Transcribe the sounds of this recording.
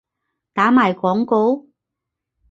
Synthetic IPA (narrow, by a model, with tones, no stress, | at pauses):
t̪aː˨˥maː˨jkɔː˨˥ŋko˧˥w